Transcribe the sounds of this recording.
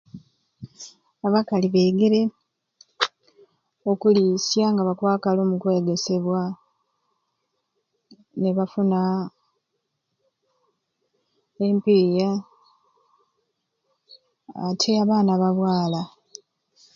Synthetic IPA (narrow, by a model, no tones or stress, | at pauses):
aβakaliβe̞ːɡeɾe̞ | o̞kulisjaŋɡaβakwaːkalo̞ːmukwe̞ːɡe̞se̞βwa | ne̞βafuna | empiːja | tʰe̞aβaːnaβaβwaːla